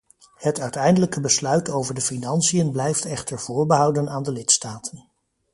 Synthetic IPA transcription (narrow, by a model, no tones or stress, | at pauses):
hətœɥtɛjndələkəbəslœɥtowvəɹdəfinɑnsijənblɛjftɛχtəɹv̥ʊːɹbəɦɑwdənaːndəlɪtstaːtən